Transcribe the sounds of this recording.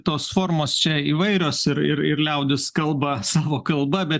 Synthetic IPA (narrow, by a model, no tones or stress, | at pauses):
t̪oːsfoːɾmoːst͡ʃʲɛiːʋɐɪɾʲoːsɪɾɪ̰ɾɪɾlʲɛʊd̪ʲɪskɐlˠbɐsɑːʋoːkɐlˠbɐbʲɛt̪